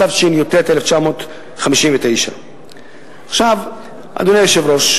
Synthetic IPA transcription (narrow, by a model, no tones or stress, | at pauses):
avt͡ʃinjot̪et̪eleft͡ʃamo̞t̪ | χamiʃimvet̪e̞jʃa̰ | aχʃav | ʔa̰d̪onejoʃevɾo̞ʃ